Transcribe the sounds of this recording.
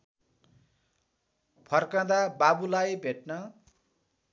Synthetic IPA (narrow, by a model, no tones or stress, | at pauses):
pʰʌrkãd̪ababulajbʱeʈnʌ